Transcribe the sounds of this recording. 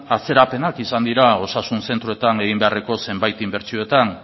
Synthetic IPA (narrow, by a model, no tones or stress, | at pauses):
at͡se̞ɾape̞nakisand̪iɾao̞sasunse̞nt̪ɾoet̪ane̞ɣ̞imbe̞are̞ko̞se̞mbajt̪imbe̞ɾt͡sio̞e̞t̪an